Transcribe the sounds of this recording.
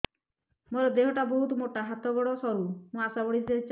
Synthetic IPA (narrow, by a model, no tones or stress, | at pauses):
moɾɔd̪eɦɔʈaboɦut̪moʈaɦat̪ɔɡɔɽɔsɔɾumũasabɔɽid͡ʒ̪eɾit͡ʃ